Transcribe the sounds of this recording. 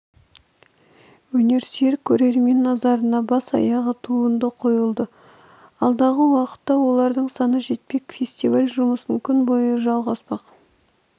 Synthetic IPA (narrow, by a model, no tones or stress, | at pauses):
wɵne̞ɾse̞ɾkʲʰɵɾe̞ɾme̞nːɑzɑɾənɑbɑsɑ̰jɑʁət̪ʰuənd̪əqʰo̞jəlˠd̪ə | ɑlˠd̪ɑʁəwɑqə̥t̪ːɑwo̞lˠɑɾd̪əɴsɑnəʒe̞t̪̚pe̞kfʲe̞sʲt̪ivalʲʒʊməsəŋkʲʰʏnbo̞jəʒɑlˠʁɑspɑq